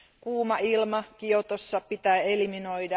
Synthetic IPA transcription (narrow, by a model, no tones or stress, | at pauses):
kuːmɑʔilmɑkiot̪osːɑpit̪æːelimino̞jdɑ